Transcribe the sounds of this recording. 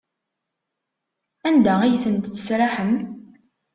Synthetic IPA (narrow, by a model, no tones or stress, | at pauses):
ænd̪aijθənt̪θə̥sɾaħəm